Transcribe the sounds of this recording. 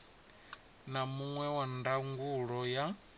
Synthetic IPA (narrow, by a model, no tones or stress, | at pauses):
namuŋwɛwandaŋɡuɺɔja